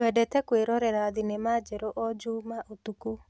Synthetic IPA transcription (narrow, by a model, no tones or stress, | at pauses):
ɛdɛtɛkweɾɔɾɛɾaðinemad͡ʒɛɾoʔɔd͡ʒuːmaʔotuku